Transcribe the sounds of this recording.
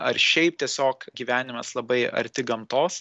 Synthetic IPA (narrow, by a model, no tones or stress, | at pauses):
ɐɾʃʲɛɪp̚t̪ʲiɛsʲoːkɡʲiːʋʲæːnʲɪmɐslˠɐbɐɪɐ̰ɾʲt̪ʲɪɡɐmt̪oːs